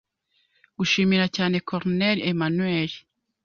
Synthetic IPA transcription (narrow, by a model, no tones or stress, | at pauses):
ɡ̥uʃiːmiɾacaːne̞kʰoɾneɾiemanweɾi